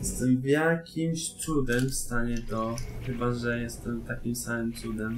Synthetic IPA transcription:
jɛst̪ɛmvjakʲimɕt̪sud̪ɛmfst̪aɲɛt̪ɔxɘbaʐɛjɛst̪ɛmt̪akʲimsamɘmt̪sud̪ɛm

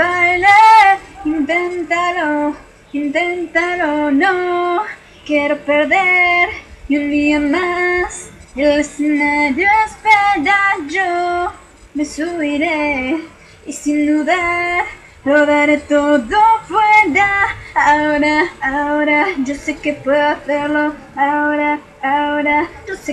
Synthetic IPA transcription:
bajlaint̪ent̪alo | int̪ent̪alono | kjeɾopeɾðeɾund̪iamaselesenaɾjoespeɾad͡ʒo | mesuβiɾe | isind̪uðaɾ | loðaɾet̪oðofweɾd̪aaoɾaːoɾaʝosekepweðoaθeɾlo̞ | aoɾa | aɾad͡ʒose

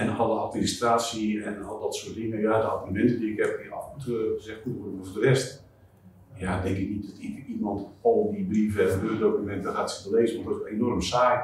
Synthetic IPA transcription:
ɛndɔhɔəatministraːsjiɛnɔdɔtsuət̚dɪŋəjadəabunəmɛntədiɪkhɛpɡiɔfutzɛxkutoəməfdərɛst | jadɛŋkɪk̚nit̚dɔtɪkimɔntɔlˠdibrivəɛəøədowkymɛntdɔxaːtsətəleːzənmɔdɔenɔrmsaːj

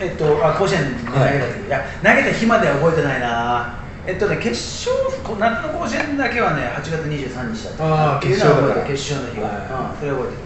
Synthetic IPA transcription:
et̪ːo̞akoɕẽnaeɡ̪at̪eɯja | naɡe̞t̪açimad̪e̞o̞bo̞et̪e̞naina | et̪ːoneke̞ɕ | oːkonakanokoːɕẽnd̪ake̞βane̞hat͡ɕiɡat͡sɨɲ̟iʑɨːsãɲ̟ːit͡ɕi̥d̪a̰t̪ːoboeke̞ɕːoːnoçima̰ | soɾeobo̞et̪e

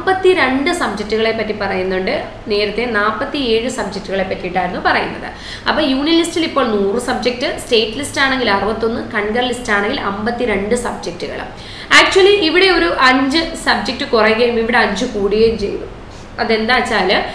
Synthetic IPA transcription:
mbɐt̪ːiɾeɳɖɨsɐb̚d͡ʑek̚tːuɣɐɭe̞pːɐtːipɐrɐjunːuɳɖɨ | ne̞ːɾɐt̪ːe̞naːpːɐt̪ːie̞ːɻɨsɐb̚d͡ʑek̚tːuɣɐɭe̞pːɐtːiiʈːaːjiɾunːupɐrɐjunːɐ̰ðɨ̰ | ɐpːɐːɭjuːɳijɐlistilipːo̞ːɭnuːrɨsɐb̚d͡ʑek̚tɨste̞ːtːɨlistaːɳe̞ŋɡilɐrɨbɐt̪ːo̞nːɨkɐɳɡɐrlistaːɳeŋɡilʔɐmbɐt̪ːiɾe̞ɳɖɨsɐbd͡ʑek̚tuɣɐ̰ɭ̰ | aːk̚t͡ɕuɐliʔiʋiɽe̞o̞ɾuʔɐɲd͡ʑɨsɐbd͡ʑek̚tːɨkurɐjuɣɐjumiʋiɽe̞ɐɲd͡ʑɨkuːɽiɣejumt͡ɕe̞jt̪ːṵ | ɐðe̞nd̪aːt͡ɕːaːlɨ

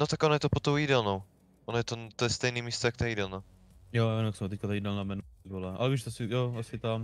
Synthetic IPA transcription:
not̪akonojɛt̪opot̪owidɛlnow | ʔonojɛt̪ont̪ojɛst̪ɛjniːmiːst̪ojakt̪aiːdɛlnaw | jojɪnaksɛmot̪ɛc̚kat̪aiːdɛlnamɛnbolaʔa̰lɛviʃt̪sɪjoasɪt̪am

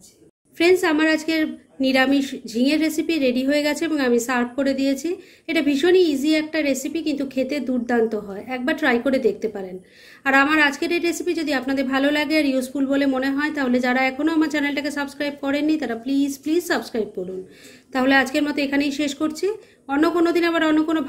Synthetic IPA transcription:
fɾensamaɾad͡ʑkeɾ | niɾamiʃd͡ʑʱiŋeɾːesipiɾeɖiɦoeɡɛt͡ɕʰeeboŋamisaɾp̚koɾed̪ijet͡ɕʰi | eʈabʱiʃoniid͡ʑiɛk̚ʈaɾesipikint̪ukʰet̪ed̪uɾd̪ant̪oɦɔeɛk̚baɾʈɾajkoɾed̪ek̚ʰt̪epaɾen | aɾamaɾad͡ʑkeɾeɾɾesipid͡ʑod̪iapnad̪eɾbʱalolaɡeaɾjusfulbolemoneɦɔet̪aɦoled͡ʑaɾaɛkʰonoamaɾt͡ɕɛnelʈakesəbskɾajb̚kɔɾenːit̪aɾaplizplizsəbskɾajb̚koɾun | t̪aɦolead͡ʑkeɾmɔt̪oekʰanejʃeʃkoɾt͡ɕʰi | ɔnːokonod̪inaβaɾɔnːokono

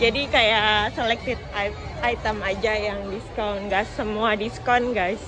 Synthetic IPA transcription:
d͡ʒadikajaselɛk̚t̪ɪt̪̚a | ajt̪əmad͡ʒajaŋdiskawnɡasːəmuadiskanɡajs

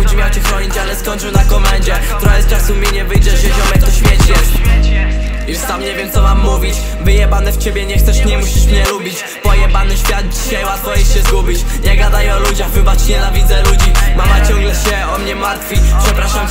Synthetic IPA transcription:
ut͡ɕmʲjawt͡ɕɛxɾɔɲit͡ɕalɛskɔɲʲt͡ʂɘnakɔmɛnd͡ʑɛkt̪uɾajɛst͡ʂasumʲjɛɲɛvɘjd͡ʒɛvʲɛd͡ʑɔmɛkt̪ɔɕfʲjɛt͡ɕjɛst̪ | just̪amɲɛvʲjɛmt̪sɔmamːuvʲit͡ɕ | vɘjɛbanɛft͡ɕɛbʲjɛɲɛxt̪sɛʂɲɛmuɕiʂmɲɛlubʲit͡ɕ | pɔjɛbanɛɕfʲjad̪̚d͡ʑiɕajwat̪fɔjitɕɛzɡubʲit͡ɕɲɛɡad̪ajɛɔlud͡ʑaɣvɘbat͡ʂɲɛnavʲid̪zɛlud͡ʑimamat͡ɕɔŋɡlɛɕɛɔmɲɛmaɾt̪fʲipʂɛpɾaʂam

